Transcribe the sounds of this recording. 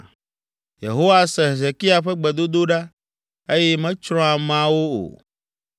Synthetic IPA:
jḛ˨ɦo˦wa˦sɛ̃˨ɦe˨ze˨ki˦a˨ɸɛ˦ɡ͡bɛ˨d̪o˦d̪o˦ɖa˦ | e˦jɛ˦mɛ̃˦t͡ʃɾɔ̃˦a˨mã˦wo˦o̰˨

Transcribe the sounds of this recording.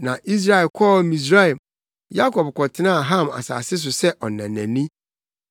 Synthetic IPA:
nã˨ʔi˦s̬ɾa˦˨ɛ˨kʰɔ˦mĩ˨s̬ɾa˦ɛ˨ | ja˦kʰɔ˨b̚kʰɔ˨tʰɪ˦nã˦a˨ɦã˦˨ma̰˨sa̰ː˨sɪ˦s̬ʊ˨sɛ˦ʔɔ˨nã˨næ̃˨nĩ˦

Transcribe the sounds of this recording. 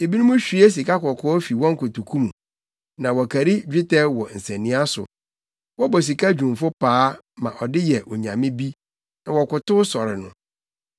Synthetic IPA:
e˨bi˦nũ˦mũ˦ɕᶣi˦e˦s̬i˨ka˦kɔ˨kʰɔ˦ɔ˦fi˨wɔ̃˦ŋ̩˦kʊ˨tu˨kʰũ˦mũ˨ | nã˨wɔ˨kʰæ˨ɾi˦d͡ʑᶣɪ˦tʰɛ˦wɔ˨n̩˨sɛ̃˨nĩ˦a˦sʊ̰˨ | wɔ˦bɔ˨s̬i˨kʰa˦d͡ʑᶣũ˨m˨fʊ˦pʰaː˨˦ | mã˨ʔɔ˨dɪ˦jɛ˨ʔɔ˨ɲã˨mɪ̃˦bi˦ | nã˨wɔ˨kʊ˨tʊ˦sɔ˨ɾɪ̰˨nʊ̰̃˨

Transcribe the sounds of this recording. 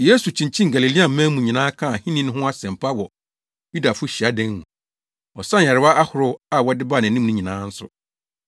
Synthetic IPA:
je˦su˨t͡ɕʰĩ˨ɲ˨t͡ɕʰĩ˦ŋ˨ɡa˨li˨li˦a˨m̩˦mɛ̃˦mũ˨ɲĩ˨nãː˦kʰã˦˨a˨hĩ˦nĩ˦ñ˦ɦʊ̃˦a˦sɛ̃˨m̩˨pʰa˦wɔ˨ | ju˦da˨fʊ˦ɕi˨a˨˦dɛ̃˦nnũ˨ | ɔ˨sã˦˨ɛ˨ɾɪ˦wa˦ʔa˦hʊ˨ɾʊ˦a˦wɔ˦dɪ˦ba˦˨n˨ɪ̃˨nɪ̃˦m˦nũ˦ɲĩ˨nãː˨˦n̩˦sʊ̰˦

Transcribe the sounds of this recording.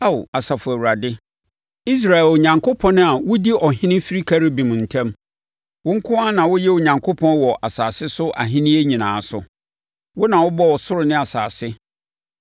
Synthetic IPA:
a˦˨wa˨sa˨fʊ˨æ˨wu˨ɾa˨dɪ˦ | i˦s̬ɾa˨ɛ˨lo˨ɲã˨ŋkʰo˦pʰɔ̃˦nʊ̃˦a˨wʊ˦di˦ʔɔ˨ɦɪ̃˦nɪ̃˦fi˦ɾi˦kʰa˦˨ɾɪ˦bĩ˨m˨n̩˨tʰã˦m | wʊ̃˦ŋ̩˦kʰʊ˦a˦nã˨wʊ˦jɛ˦o˨ɲã˨ŋkʰo˦pʰɔ̃˦nwɔ˨ʔa˨saː˨sɪ˦sʊ˦ʔa̰˨ɦɪ̃˦nɪ̃˦e˦ɲĩ˨nãː˨˦˨sʊ̰˨ | wʊ˦nã˨wʊ˦bɔ˦wɔ˨sʊ˦ɾʊ˨nɪ̃˦a˨saː˨sɪ˦

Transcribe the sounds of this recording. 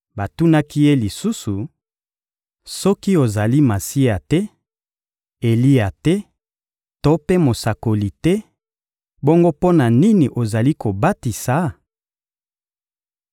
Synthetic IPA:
ba˨tu˦na˦ki˦je˦li˨su˦su˨ | sɔ˦ki˦o˨za˨li˦ma˨si˦a˨tɛ˦ | e˨li˦a˨tɛ˦ | to˦pe˦mo˨sa˨ko˨li˨tɛ˦ | bo˦ŋɡo˦po˦na˨ni˦ni˨ʔo˨za˨li˦ko˨ba˦ti˨sa˨˦

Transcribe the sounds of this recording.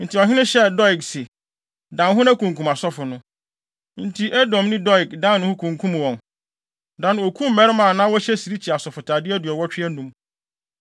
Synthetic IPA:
n̩˨tʰi˨ɔ˨ɦɪ˦nʊ̃˦ɕɛ˦dɔ˦ɪ˨ksɪ˨ | dã˨nɦʊ̃˦nã˦kũ˨ŋkʰũ˨ma˨sɔ˦fʊ˨nʊ̃˦ | n̩˨tʰi˨ʔæ˦dɔ̃˨mnɪ̃˦dɔ˦ɪ˨kdã˦n˦ñ˨˦hʊ̃˦kʰũ˨ŋkʰũ˦m˨wɔ̃˨n | dã˨n˨o˨kʰũ˦m˦mɛ˦ɾɪ˦mã˨nã˦wɔ˦ɕɛ˦si˨ɾi˦t͡ɕʰi˨a˨sɔ˨fʊ˨tʰa˨dɪ˦æ˦dɥɔ˨wɔ˦t͡ɕᶣɪ˦ɛ˦nũ˦m

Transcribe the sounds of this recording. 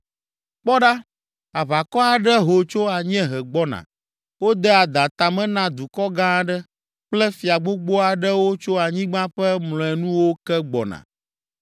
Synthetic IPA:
k͡pɔ˦ɖa˦ | a˨va˨kɔ˦a˨ɖɛ˦ɦo˨t͡ʃo˦a˨ɲɛ̃˦ɦɛ˨ɡ͡bɔ˦nã̰˨ | wo˦d̪ɛ˦a˨d̪a˨t̪a˨mɛ̃˦nã˦d̪u˨kɔ˦ɡã˦ɖɛ˦ | k͡plɛ˦fi˨a˨ɡ͡bo˦ɡ͡bo˦a˨ɖɛ˦wo˦t͡ʃo˦a˨ɲĩ˦ɡ͡bã˦ɸɛ˦mlɔ̃˨ɛ˨nũ˦wo˦kɛ˦ɡ͡bɔ̰˨nã̰˨

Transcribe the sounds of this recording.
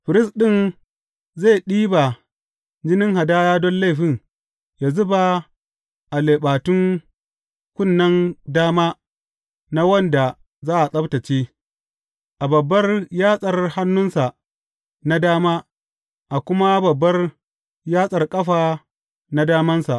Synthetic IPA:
ɸɪ˨ɾɪ˦sɗɪ˦˨n | za˦˨jɗiː˦ba˨ | d͡ʒɪ˦nɪ˦ŋɦa˨daː˦jaː˦dɔ˦nla˦˨ɸɪ˦ŋ | jaː˨zʊ˦ba˨ | ʔa˨leː˨ɓaː˨tʊ˦ŋ | kʷʊ˦˨nːɐ˦ndaː˦maː˦ | na˦wɐ˦˨nda˨ | zaː˦ʔa˨sʼɐ˦bta˨t͡ʃeː˦ | ʔa˨bɐ˨bːɐ˦rjaː˦sʼɐ˨rha˦nːʊ˦nsa˨ʔ | na˦daː˦maː˦ | ʔa˨kʷʊ˦ma˦bɐ˨bːɐ˦r | jaː˦sʼɐ˨rkʼɐ˦ɸaː˨ | na˦daː˦mɐ˦nsa˨ʔ

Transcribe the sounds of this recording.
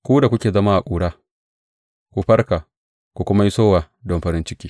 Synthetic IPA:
kʷuː˦da˨kʷʊ˦kʲeː˨zɐ˦maː˦ʔa˨kʷʼuː˦˨ɽaː˦ | kʷu˨ɸɐ˦rkaː˨ | kʷu˨kʷʊ˦ma˦ji˦soː˦waː˨ | dɔ˦mɸɐ˦ɾɪ˦nt͡ʃɪ˦kʲiː˦

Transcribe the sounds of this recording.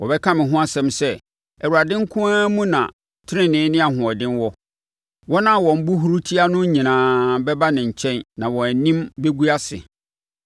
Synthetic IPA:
wɔ˨bɛ˦kʰã˦mɪ̃˨ɦʊ̃˦a˦sɛ̃˨˦msɛ˦ | ɛ˨wu˨a˨dɪ̃˦ŋ̩˦kʰʊ̃˦a˦mũ˦nã̰˨ | tʰɪ˦ɾɪ̃˦nɪ̃˨˦nɪ̃˦a˨hʊ̃˨ɔ˨dɪ̃˦nwɔ˦ | wɔ˦nã˦wɔ̃˨m̩˦bu˦ɦu˦ɾu˦tʰi˦a˦nʊ̃˦ɲĩ˨nãː˨bɛ˦ba˦nɪ̃˨ɲ̩˨t͡ɕʰɛ̃˦nːã˨wɔ̃˨æ˨nĩ˦mbe˦ɡu˦a˦sɪ̰˨

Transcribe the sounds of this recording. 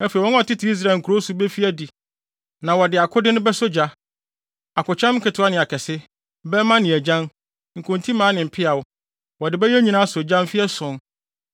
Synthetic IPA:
æ˦fe˨wɔ̃˦ɔ˨tʰɪ˦tʰɪ˨˦i˦s̬ɾa˦˨ŋ̩˨kʰu˨ɾo˦su˦bɛ˦fi˦æ˦di˨ | nã˨wɔ˨dɪ˨a˨kʰʊ˦dɪ˦nʊ̃˦bɛ˦sʊ˦d͡ʑa˦ | a˨kʊ˨t͡ɕʰã˦m˦kʰɪ˨tʰʊ˨˦a˦nɪ̃˨a˨kʰɛ˨sɪ˦ | bɛ˦mã˦nɪ̃˨æ˨d͡ʑã˦n | ŋ̩˨kʰʊ̃˨ntʰĩ˦mãː˨˦nɪ̃˨m̩˨pʰɪ˦a˨wʊ˦ | wɔ˨dɪ˨bɛ˦jɛ˦ɲĩ˦nã˦sʊ˨d͡ʑã˦m˦fi˦ɛ˦sʊ̃˨n

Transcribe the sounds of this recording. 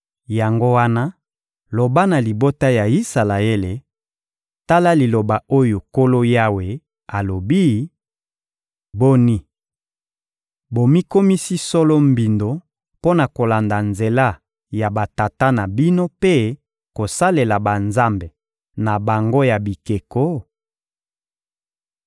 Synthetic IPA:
ja˨ŋɡo˦wa˦na˦ | lo˨ba˦na˨li˨bo˦ta˦ja˨i˦sa˨la˨e˦le˨ | ta˦la˦li˨lo˨ba˨o˦jo˨ko˦lo˦ja˦we˨ | a˨lo˨bi˦ | bo˦ni˦ | bo˨mi˦ko˦mi˦si˦sɔ˦lɔ˦mbi˨ndo˨ | po˦na˨ko˨la˨nda˨nze˨la˦ | ja˨ba˨ta˨ta˦na˨bi˦no˦pe˦ | ko˨sa˦le˨la˨ba˨nza˦mbe˨ | na˨ba˨ŋɡo˦ja˨bi˨ke˨ko˦

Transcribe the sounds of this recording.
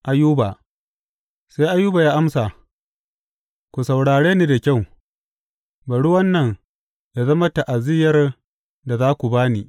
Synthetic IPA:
ʔa˨juː˦ba˨ | sa˦jʔa˦juː˦ba˨jaː˦ʔa˦msa˨ | kʷu˨sa˨wɽaː˨ɽeː˦ni˦da˨kʲa˦˨w | bɐ˨ɽʊ˦wɐ˦nːɐ˨ŋ | ja˨zɐ˦mɐ˦ta˨ʔa˨zɪ˦jɐ˦r | da˨zaː˦kʷu˨baː˦ni˨

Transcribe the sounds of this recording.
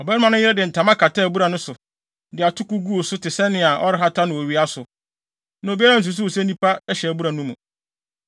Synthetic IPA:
ɔ˨bɛ˦nɪ˦mã˨nʊ̃˦jɪ˦ɾɛ˦dɪ˨n̩˨tʰã˨mã˦kʰa˨tʰa˦˨bu˦ɾa˨nʊ̃˦sʊ˨ | dɪ˨a˨tʰʊ˦ku˦ɡu˦o˨sʊ˦tɪ˨sɛ˦nɪ̃˨a˨ʔɔ̰˦ɾɪ˦ɦa˦tʰa˦nɪ̃˨o˨ɥi˨˦a˦sʊ˨ | nã˨o˨bi˦a˦ɾa˦n̩˨s̬u˨s̬u˦o˨sɛ˦nĩ˦pʰa˦ɛ˦ɕɛ˨æ˨bu˦ɾa˨nũ˦mũ˨

